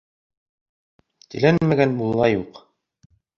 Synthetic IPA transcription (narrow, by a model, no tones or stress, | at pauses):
t̪ɘ̆lænmæɡænbulˠːɑjuq